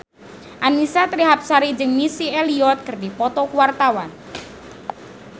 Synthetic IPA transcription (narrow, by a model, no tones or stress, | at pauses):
ʔanisat̪ɾiɦap̚saɾid͡ʒɨŋmisieliɔt̪̚kɨrdipɔt̪ɔkuwart̪awan